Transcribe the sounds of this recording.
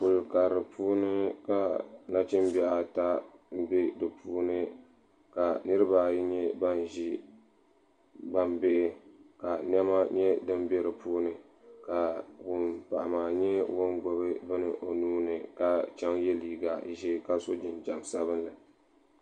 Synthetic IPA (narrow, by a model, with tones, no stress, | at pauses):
pʊ˨lka˨ɾɨ˨pʰuː˦nɨ˦ka˨na˦t͡ʃɪ˦m˦bɛ˦ʔa˨ta˦m̩˦bɪ˦dɨ˨pʰuː˦nɨ˦ | ka˨nɨ˦ɾɨ˦baː˨jɲɛ˦ba˦n˨ʒi˦ | ba˦mbɪ˦ʔɪ˦ka˨n˦ɛ˦ma˦ɲɛ˦dɨ˦m˦bɛ˦ɾɨ˨puː˦nɨ˨ | ka˨wʊ˨mpa˨ʔa˨maː˨ɲɛ˦wo˦nɡo˦bɨ˦bɨ˦nɨ˨ʔo˨nuː˦nɨ˨ka˦t͡ʃɛ˦ŋjɛ˦liː˨ɡa˨˦ʒi˦ka˦so˦d͡ʒɪ˨nd͡ʒa˨msa˦βɨ˦nlɨ˨